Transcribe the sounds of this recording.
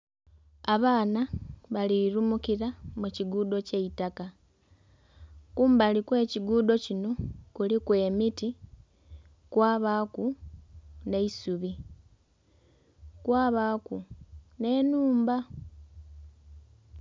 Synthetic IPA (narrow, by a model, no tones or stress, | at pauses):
aβaːnaβaliɾumukiɾamuciɡuːdo̞ceitaka | kuːmbalikwe̞ːciɡuːdo̞cino̞kulikwe̞ːmiti | kwaːβaːku | ne̞isuβi | kwaːβaːkune̞ːnuːmba